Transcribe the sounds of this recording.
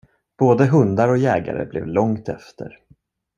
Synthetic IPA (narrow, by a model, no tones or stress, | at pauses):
b̥oːd̪əɦɵnd̪aɾɔjɛːɡa̰ɾə̰blʔɛ̰vlɔŋt̪ɛft̪ʰəɾ